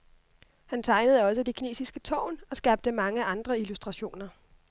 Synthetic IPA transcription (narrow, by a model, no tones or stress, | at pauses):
hænt͡sʰɑ̈ɪnəð̞̩ˠəɒ̽səd̥e̝kʰine̝̰ːsisɡ̥ət͡sʰɒ̰ːʊnɒ̽sɡ̥ɑ̈ːb̥̚d̥əmɑ̈ŋəɑ̈nd̥ʁɐilusd̥ʁɑ̈ɕo̝̰ːnɐ